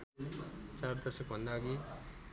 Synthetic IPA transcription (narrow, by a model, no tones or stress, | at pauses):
t͡sard̪ʌsʌkbʱʌnd̪aɡi